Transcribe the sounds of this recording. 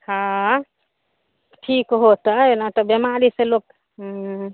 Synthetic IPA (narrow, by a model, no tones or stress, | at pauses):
hã | ʈʰikɦot̪əenat̪ɔbjemaɾisẽlok